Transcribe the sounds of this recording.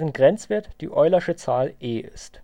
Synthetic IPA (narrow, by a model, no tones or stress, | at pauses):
ʁənɡʁɛnt͡sv̥eːɐtd̥ḭːʔɔʏlɐʃət͡saːlʔeːʔɪst